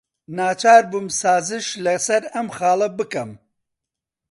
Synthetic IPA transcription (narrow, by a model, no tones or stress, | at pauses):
naːt͡ʃʰaːɾbumsaːzɨʃlɐsɐɾɐmxɑːlˠɐbɨkɐm